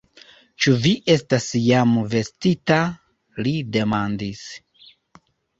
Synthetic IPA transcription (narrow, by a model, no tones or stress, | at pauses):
t͡ʃuviʔe̞stasjamve̞stita | lide̞mandis